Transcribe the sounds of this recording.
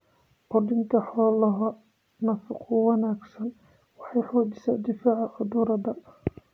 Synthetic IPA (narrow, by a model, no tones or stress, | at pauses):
qɔd̪ɪŋk̪ʰɐħɔːlɐɦɐ | nɐfɪqʰʊwɑnaːɡsɐn | wɑħɑjħuːd̪ɪsɐd̪ɪfaːʕaʔʊd̪uɾɐd̪ɐ